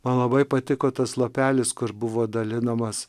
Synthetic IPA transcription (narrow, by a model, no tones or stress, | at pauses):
mɐnlˠɐbɐɪpɐt̪ʲɪkoːt̪ɐslˠopʲæːlʲɪskʊɾbʊʋoːd̪ɐlʲɪnɐmɐs